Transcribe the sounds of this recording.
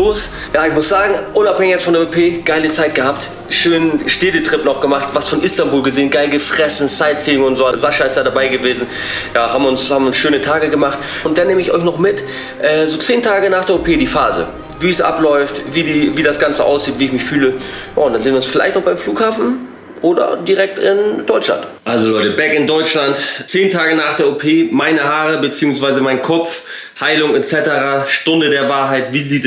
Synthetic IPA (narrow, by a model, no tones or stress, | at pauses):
loːs | jaːɪçmʊsz̥aːɡŋ̩ʔʊnaphɛŋɪçatstfɔndeːopʰeːɡ̥aɪlət͡saɪt̚ɡ̥əhap̚t | ʃøːnənʃteːdətʁ̥ɪpnɔχɡ̥əmaχtvasfɔnʔɪstanbuːlɡəzeːnɡaɪlɡəfʁ̥ɛsn̩t͡saɪtt͡siːʊŋʊntz̥oːzaʃaɪstj̥aːɾabaɪɡəveːzn̩ | jaːɦaːbm̩ʊnshaːbm̩ʊnsʃøːnətʰaːɡəɡəmaχtʊntd̥aneːməɪçɔ̰ʏçnɔχmɪt | ʔɛːzoːt͡seːntʰaːɡənaːχd̥eːɐopʰeːdiːfa̰ːzə̰ | viːsʔa̰plɔʏftviːdiːviːdasɡ̥ant͡səʔa̰ʊsz̥iːtv̥iːɪçmɪçfyːləja̰ːʊntd̥anzeːnviɪʊnsfɪla̰ɪçtnɔχb̥aɪmfluːkhaːfn̩ | ʔoːdɐ̰diʁɛk̚tɪnd̥ɔʏt͡ʃla̰ntʔalzolɔʏtəbɛkɪndɔʏt͡ʃlantt͡seːntʰaːɡənaːχd̥eːɐopʰeːmaɪnəhaːʁəbət͡siːʊŋsv̥aɪzəmaɪnkʰɔp͡f | haɪlʊŋɛt͡sɛtəʁaʃtʊndədeːɐvaːɐɦaɪtviːziːt